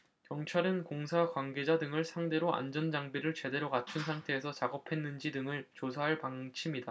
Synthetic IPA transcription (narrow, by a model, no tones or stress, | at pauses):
kjʌŋt͡ɕʰaɾɯnkoŋsʰakwanɡe̞d͡ʑadɯŋɯɭsʰaŋde̞ɾoʔa̰nd͡ʑʌnd͡ʑaŋbiɾɯɭt͡ɕe̞de̞ɾokat͡ɕʰunsʰaŋtʰe̞ːsʰʌt͡ɕaɡʌpʰe̞nːɯnd͡ʑidɯŋɯɭt͡ɕosʰaɦaɭpaŋt͡ɕʰimida